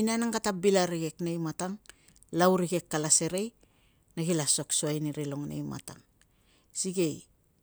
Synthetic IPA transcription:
nianaŋɡatabilaɾiɡe̞knejmataŋ | lawɾiɡe̞kːalase̞ɾe̞j | naɡilaso̞ksuajniɾilo̞ŋnḛjma̰ta̰ŋ | siɡe̞j

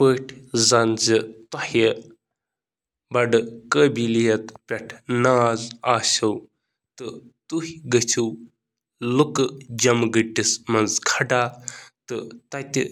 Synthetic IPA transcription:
pəːʈʰzɐnd͡zit̪ɔhə | bɐɖɨkəːbilijɐt̪pʲɐʈʰnaːzaːʃɐw | t̪ɨt̪uhiɡɐt͡ʃʰuw | lukɨd͡ʒɐmɡəʈːismɐnzkʰɐɖaːt̪ɨt̪ɐt̪ʲḭ

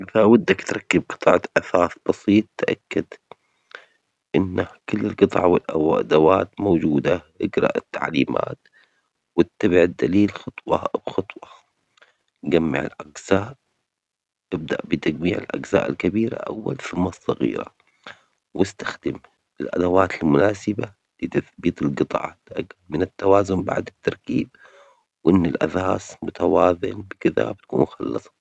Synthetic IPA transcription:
ʔɪðawad̪ːakt̪ɾˤɑkːɪb̚qɨ̥t̪ˤɑʕʔaθaːθb̥ɑsˤiːt̪ˤːʔa̰kːad̪ | ʔɪnːahkɪlːɪlqɨt̪ˤʕɑwɪlʔaʔa̰d̪awaːt̪moːd͡ʒuːd̪aʔɪɡɾˤɑ̰ʔɪt̪ːaʕliːma̰ːt̪ | wɪt̪ːabɪʕɪd̪ːaliːlxɑt̪ˤwɑwxɑt̪ˤwɑ | ɡamːɪ̰ʕɪ̰lʔaɡz̥aːʔ | ʔɪb̚d̪a̰ʔbɪt̪aɡmiːʕɪ̰lʔa̰ɡza̰ːʔɪlkabiːɾa̰ʔa̰wːa̰lθʊmːɑsˤːɑɣḭːɾa̰ | wɪst̪axd̪ɪm | ɪlʔa̰d̪awaːt̪ɪlmʊnaːsɪba | lɪt̪aθbiːt̪ˤɪlɡɨt̪ˤɑ̰ːʕt̪ʔaɡmɪnɪt̪ːawaːzʊmba̰ʕd̪ɪt̪ːɑɾˤkiːb̚ | wʔɪnːɪlʔasaːsmʊt̪awaːðɪnbɪkɪða̰bt̪kṵːnxɑlːɨsˤɑ̥

